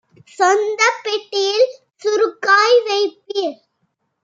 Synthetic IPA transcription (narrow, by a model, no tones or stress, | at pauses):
sɔnd̪ɐpːɛʈːɪjɪl | sʊɾʊkːaːjʋɐɪpːiɾ